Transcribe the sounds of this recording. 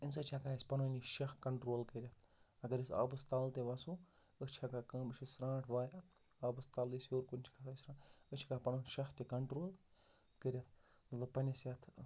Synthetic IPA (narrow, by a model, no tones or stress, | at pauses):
insɐt͡ʃʰʲakaisʲpɐnuniʃɐhkɐɳʈɾoːlkəɾʲɐt̪ʰɐɡɐɾɐsa̰ːbɨst̪aːlt̪eʋɐsu | ət͡ʃʰakakəːmɨʃʰisɾãːʈʰʋaːja | aːbɨst̪aːlisjoːɾkunʲt͡ʃʰi̥kʰɐsasʲɾãːʈət͡ʃʰikapɐnonʃɐht̪ʲekɐɳʈɾoːl | kəɾʲɐt̪ʰ | mɐt̪lɐb̚pːɐnʲɐsʲjat̪ʰ